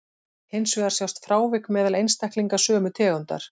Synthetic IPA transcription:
hejnsvɛðaɾ̥sjawst̪fɾaːwvɪkmɛːðalejnst̪ɛhkliŋkasœːmʏt̪ʰɛːɣʏnt̪a̰ɾ̥

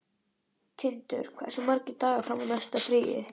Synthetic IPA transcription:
t̪ʰɪnt̪ʏ̰ɾ̥kʰva̰̥sɔmaɾcɪt̪aːɣafɾamaðnajst̪afɾiːjɪ̰

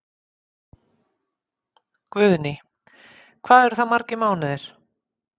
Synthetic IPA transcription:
kvʏðnɪ | kʰv̥aːðɛɾ̥θaðmaɾcɪmaːwnɪðɪɾ̥

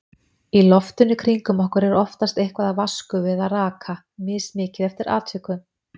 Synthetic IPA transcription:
ilɔft̪ʏnːʏkʰɾiŋkʏmɔhkʏɾɛɾɔft̪ast̪ejhkvaðavaskʏvɪðaraːkʰa | mɪːsmɪːcɪðɛft̪ɪɾa̰ːt̪ʰvɪkʏm

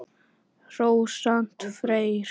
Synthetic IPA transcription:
rowsan̥t̪fɾejɾ

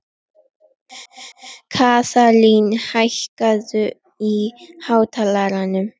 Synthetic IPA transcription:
kʰaːsalinhaçkazə | ihawt̪ʰalaɾanə

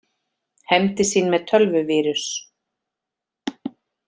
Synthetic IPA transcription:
hɛmt̪ɪsiːnmɛðt̪ʰœlvʏvɪːɾʏs

